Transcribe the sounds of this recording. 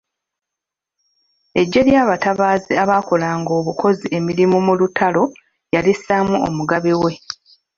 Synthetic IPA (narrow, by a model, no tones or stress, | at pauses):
e̞ɟːe̞ljaːβataβaːziaβaːko̞laːŋɡo̞ːβukʰo̞ziʔe̞miɾimumulutalo̞ | jalisamuo̰muɡaβiwe̞